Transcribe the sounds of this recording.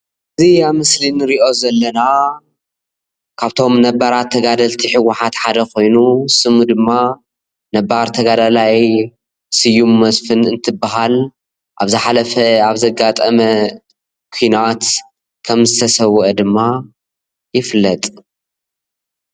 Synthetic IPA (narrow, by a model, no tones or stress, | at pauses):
ʔɨziaβmɨslinɨɾiʔo̞zɐlːɐna | kʰaβt̪ʰo̞mnɐbɐɾat̪ʰːɐɡad̪ɐlt̪ʰiħɨwʊħat̪ħad̪ɐkʰo̞jnusɨmud̪ɨmːa | nɐbaɾt̪ʰɐɡad̪alaj | sɨjumːɐsfɨnɨnt̪ʰɨbaɦal | ʔa̰βzɨħalɐfɐaβzɐɡat̪ʼɐmɐ | kʷʰuinat̪ | kʰɐmzɨt̪ʰɐsɐwːʔɐd̪ɨmːa | jɪflːɐt̪ʼ